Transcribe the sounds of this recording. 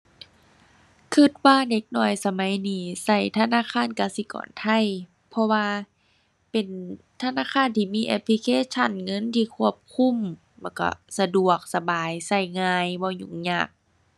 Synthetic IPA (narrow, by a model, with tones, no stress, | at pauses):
kʰɯ˧˩t̪̚waː˧˨de˧˦k̚nɔː˧˩jsa˧ma˨˦jniː˧˦sa˧˩jt̪ʰa˧˨naː˧˥˨kʰaː˧˥˨nkaː˧˨si˧˦kɔ̰ː˨˩˦nt̪ʰa˧˩˨j | pʰɔ˧waː˧ | pe˨˩n | t̪ʰa˧naː˧˥˨kʰaː˧˥˨nt̪ʰiː˧˨miː˧˥ʔḛ˧pʰli˧kʰeː˧˥t͡ɕʰa˧˥˨nŋɤ˧˥˨nt̪ʰiː˧˩kʰu˧˩əp̚kʰu˧˥˨m | lːka̰˧˩sa˧du˨˩ək̚sa˧baː˨jsa˧˩jŋaː˧jbɔː˧˦ɲu˧˩˨ŋɲa̰ː˧˩k̚